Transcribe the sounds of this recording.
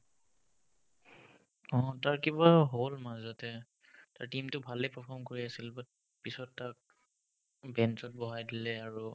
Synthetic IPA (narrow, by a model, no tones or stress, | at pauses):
ɔ̃taɹkibaɦolmazɔtɛ | taɹtimtʊbʱalɛpɛpʰɔmkoɹiasilba | pisɔtːak̚ | bɛnsɔt̚bɔɦajdilɛaɹu